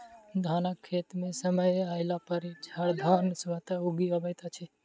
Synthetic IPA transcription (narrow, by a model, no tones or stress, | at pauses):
d̪ʱanəkʰːet̪mesəməjaɪlapəɾt͡ʃʰəɾd̪ʱɔnsʋət̪auɡiəbəjt̪at͡ʃʰɛ